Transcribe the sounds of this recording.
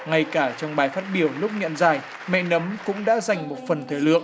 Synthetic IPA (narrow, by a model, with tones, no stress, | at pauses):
ŋa˧jkaː˧˩t͡ɕɔ˧wŋ͡mɓaː˨˩jfaː˦˥t̚ɓi˧˩əwlʊ˦˥k͡p̚ɲə̰˧˨nzaː˨˩j | mɛ̰˧˨nə˨˦mkʊ̰˧˥ŋ͡mɗa̰ː˧˥za˨˩jŋ̟mo˨˩t̚fə˨˩nt̪ʰe˨˦lɨ̰˧˨ək̚